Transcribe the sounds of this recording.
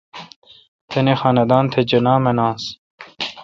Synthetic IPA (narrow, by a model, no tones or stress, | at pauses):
t̪ʰenexɑːnɐd̪aːnt̪ʰed͡ʑɐnaːmɐnaːns